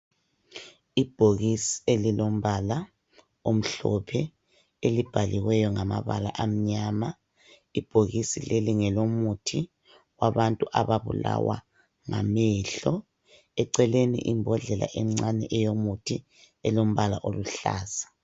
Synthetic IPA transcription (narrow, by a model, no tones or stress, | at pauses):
ib̥ʱoɣisi̥elilom̩βala | om̩ɬɔpʰɛ | elib̥ʱaliɣwɛjɔŋama̰βa̰la̰ʔam̩ɲaːma | ib̥ʱoɣisileliŋɛlomutʰi | waβantʼuʔaβaβṵla̰wa̰ | ŋa̰mɛɬɔ | ɛǀɛlenḭʔimbʱɔɮɛlʔa̰ʔɛm̩ŋ͡ǀanɛʔɛjomutʰi | ɛlom̩βala̰ʔoluɬa̰ːz̥ḁ